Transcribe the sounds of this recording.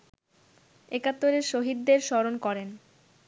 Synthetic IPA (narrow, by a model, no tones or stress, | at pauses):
ekat̪ːoɾeɾʃoɦid̪̚ːeɾʃɔɾonkɔɾen